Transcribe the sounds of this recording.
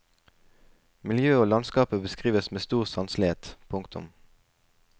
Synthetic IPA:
mɪljøːoːlɑnskɑːpəbəskʁiːʋəsmeːst̪uːʁsɑnslɪheːt̪pʰʊŋkt̪ʰʊ̰m

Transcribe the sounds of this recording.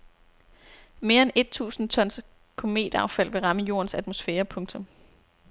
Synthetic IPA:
me̝ːɐene̝d̥̚t͡sʰṵːsn̩t͡sʰɒ̽n̰s | kʰo̝me̝̰ːd̥ɐɑ̈ʊfæl̰ʋe̝ʁɑ̈məjo̝ɐnsæd̥mo̝sfeːɐpʰɔ̽ŋt͡sʰɔ̽m

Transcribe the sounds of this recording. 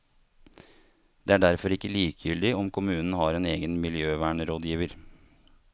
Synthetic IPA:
d̪̥eːæːɖæɾfɔɾɪkːəliːkəjʏld̪ɪɔmkʰʊmʉːnn̩hɑːɾeːneːɡənmɪljøːʋæːɳəɾoːd̪jiːʋəɾ

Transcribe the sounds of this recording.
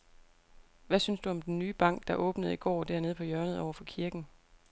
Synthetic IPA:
ʋæsynsd̥uɒ̽md̥enːyːb̥ɑ̈ŋ̰ɡ̥̚d̥ɑ̈ʔɔ̽ːb̥nəð̞̩ˠiɡ̥ɒ̰ːd̥æɐne̝ð̞ˠpʰɒ̽jœɐnəðˠɒʊɐfɒ̽kʰiɐɡ̥n̩

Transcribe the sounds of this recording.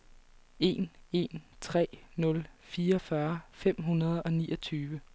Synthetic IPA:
e̝ne̝nt͡sʰʁɛ̰ːnɔ̽lfiːɐɒfɶɐfem̰ɦunɐð̞̩ˠɒ̽nḭːɒt͡sʰyːʋə

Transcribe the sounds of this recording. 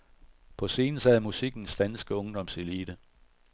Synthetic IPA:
pʰɒ̽se̝ːnəsɛðˠmusiɡ̥n̩sd̥ænsɡ̥əɔ̽ŋd̥ɒ̽mseliːd̥ə

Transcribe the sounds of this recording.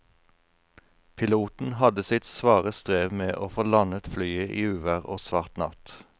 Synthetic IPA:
pʰɪluːt̪n̩hɑd̪əsɪt̪sʋɑːʁəst̪ʁeːʋmeːʔoːfoːlɑnət̪flyːəʔiːʉːʋæʁo̰ːsʋɑʁt̪nɑ̰t̪

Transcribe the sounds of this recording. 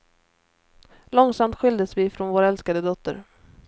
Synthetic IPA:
lɔŋsamt̪ɧʏld̪əsvɪfɾɔnvoːɾaɛlskad̪əd̪ɔt̪ʰːə̰ɾ

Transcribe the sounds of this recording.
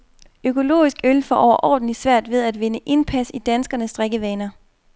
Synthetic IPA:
økʰo̝lo̝̰ːisɡ̥ølfɒʔɒʊ̰ɐʔɒ̰ːd̥n̩li̥sʋæɐ̰d̥ʋe̝ð̞ˠæd̥ʋe̝nəʔe̝npʰæsid̥ænsɡ̥ɐnəsd̥ʁeɡ̥əʋɛːnɐ

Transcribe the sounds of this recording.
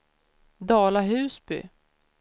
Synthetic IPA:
d̪ɑːlaɦʉ̟ːsbʏ̰

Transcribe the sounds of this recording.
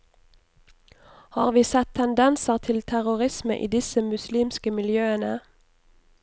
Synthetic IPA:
hɑ̰ːʁʋiːsɛt̪ʰɛnd̪ɛnsəʁt̪ʰɪlt̪ʰæʁʊʁɪsmə̰ʔḭːd̪ɪsəmʉsliːmskəmɪljøːənə

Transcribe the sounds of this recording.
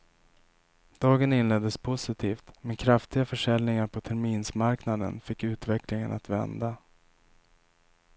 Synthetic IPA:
d̪̥ɑːɡənɪnlɛd̪ːəspʰʊsɪt̪ʰiːft̪mɛnkʰɾaft̪ɪɡafœʂɛlnɪŋaɾpʰɔt̪ʰæɾmiːnsmaɾknad̪ə̰nfɪkːʉ̟ːt̪vɛkʰlɪŋə̰nat̪vɛ̰nd̪a

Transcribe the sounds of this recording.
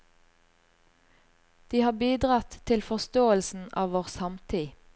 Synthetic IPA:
d̪̥iːhɑːbiːd̪ʁɑt̪ʰɪlfɔʁst̪oːəlsn̩ɑːʋoːʁsɑmt̪ʰiː

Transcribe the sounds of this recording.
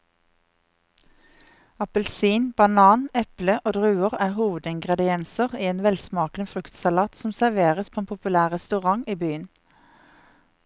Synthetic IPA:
ɑpəlsiːnbɑnɑːnɛpləʔoːd̪ʁʉːəʁæːhuːʋəd̪ɪŋɡʁɛd̪ɪɛnsəʁiːeːnʋɛlsmɑːkn̩əfʁʉkt̪sɑlɑːt̪sɔmsæʁʋeːʁəspʰoːeːnpʰʊpʉlæːʁʁɛst̪ʉʁɑŋiːbyːən

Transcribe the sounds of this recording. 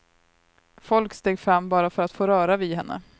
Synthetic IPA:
fɔlkst̪eːɡfɾamːbɑːɾafœɾat̪foːɾœːɾavɪhɛnːə̰

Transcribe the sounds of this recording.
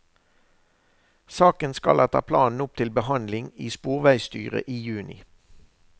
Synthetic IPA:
sɑːkənskɑ̰lʔɛt̪ʰɑ̰ːpʰlɑːnn̩ʊp̚t̪ʰɪlbəhɑnd̪lɪŋiːspuːʁʋæɪst̪yːʁə̰ʔiːjʉːnɪ

